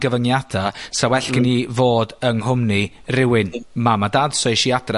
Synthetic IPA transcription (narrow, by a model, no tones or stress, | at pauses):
ɡəvəŋjad̥asawɛɬkɪnivoːdəŋhʊmni | rɪwɪnmamadadsɔjʃiad̥ra